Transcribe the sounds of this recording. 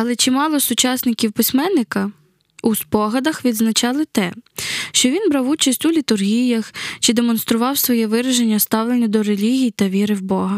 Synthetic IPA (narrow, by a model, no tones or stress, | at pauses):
ɐlˠɛt͡ʃimɑlˠɔsʊt͡ʃɑsʲnɪkʲiwpɪsʲmɛnːɪkɐ | uspɔɦɐd̪ɐxʋʲid̪znɐt͡ʃɑlˠɪt̪ɛʃt͡ʃɔʋʲinbɾɑwut͡ʃɐsʲtʲulʲit̪ʊrɦʲijɐxt͡ʃɪd̪emɔn̪st̪ɾʊʋɑwsʋɔjɛʋɪɾɐʒenʲːɐst̪ɑwlˠenʲːɐd̪ɔɾelʲiɦʲijt̪ɐʋʲiɾɪwbɔɦɐ